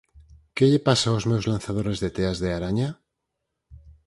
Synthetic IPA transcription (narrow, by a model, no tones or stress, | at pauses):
keʎepasaozmewzlan̟θaðoɾezðet̪eazðeaɾaɲa